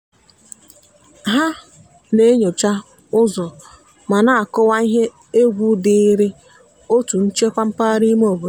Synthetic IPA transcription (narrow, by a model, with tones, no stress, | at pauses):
ɦa˦ | ne˨˦ɲo˨t͡ʃa˦ | ʊ˦zɔ˨ | ma˨na˦˨a˨kʊ˦wa˦i˦ɦe˦ | e˦ɡʷu˦dɪ˦i˦ɾɪ˦ | o˦tu˨n̩˦t͡ʃe˦kʷa˦m̩˦pa˦ɾi˦m˦o˨bo˨˦